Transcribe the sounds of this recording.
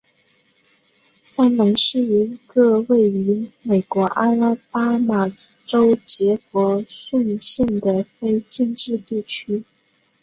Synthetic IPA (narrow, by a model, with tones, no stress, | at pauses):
ɕa˥˩ŋnɤ˧˥ŋʂɻ̩˥˩i˧˥ɡɤ˥˧we˥˩ɪy˧˥me˨˩ɪkwɔ˧˥ʔa˥a˥˩pa˥ma˨˩ | ʈ͡ʂo˥ʊt͡ɕjɛ˧˥fɔ˧˥ɕi˥˧nɕi˥˩ŋd̪ə˩fe˥ɪt͡ɕi˥˧nʈ͡ʂɻ̩˥˧t̪i˥˩t͡ɕʰy˥